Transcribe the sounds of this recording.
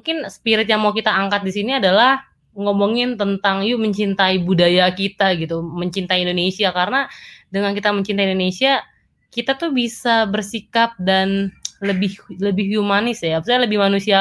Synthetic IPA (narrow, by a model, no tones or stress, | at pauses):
mukɪnsə̥piɾɪt̪̚jaŋmawkit̪aːŋkat̪̚disiniadalah | ŋomoŋɪnt̪ənt̪aŋjuməɲt͡ʃint̪aibudajakit̪aɡit̪uməɲt͡ʃint̪aiindonesiakarənadəŋankit̪aməɲt͡ʃint̪aindonesia | kit̪at̪ubisabərsikap̚danləbɪhləbɪhjumanɪsjabsaɲaləbɪhmanusia